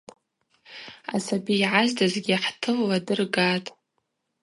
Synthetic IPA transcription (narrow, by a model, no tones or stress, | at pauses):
a̰sabiːʕazdazɡʲiaħtʰɨlːadɨrɡatʼ